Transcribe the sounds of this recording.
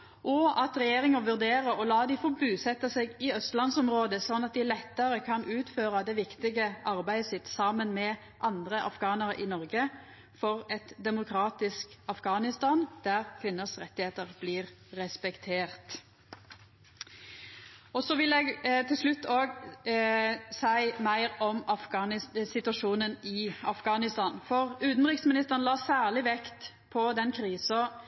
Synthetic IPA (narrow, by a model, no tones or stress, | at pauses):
ʔɔɑt̪ʁɛjeːʁɪŋəʋʉʁd̪eːʁəɔlɑːd̪ɪfɔbʉːsɛt̪ːɑseːɡɪœst̪lɑnsɔmʁoːd̪əsɔnːɑt̪̚d̪ɪlɛt̪ːəɾəkʰɑnʉːt̪føːʁɑd̪ɛʋɪkt̪ɪɡəʔɑʁbæɪəsɪt̪ːsɑmənmɛ | ʔɑnd̪ʁəʔɑ̰fɡɑːnəɾʔɪnɔʁɡə | fɔʁɛt̪d̪ɛmʊkʰɾɑːt̪ɪskɑfɡɑːnɪst̪ɑːnd̪̥æʁkʰʋɪnəsʁɛt̪ːɪheːt̪əʁb̥lɪːʁɛspɛkt̪ʰeːʁt̪ | ɔsɔʋɪlɛːɡt̪ʰɪlsʂlʉt̪ːoːɡ | sæɪmæɪʁɔmɑfɡɑnɪsɪt̪ʉɑʂuːnənɪɑfɡɑːnɪst̪ɑːnfɔʁʉːt̪n̩ʁɪksmɪnɪst̪əʁənlɑːsæːʁɭɪʋɛkt̪ | pʰɔd̪ɛnkʰɾiːsɔ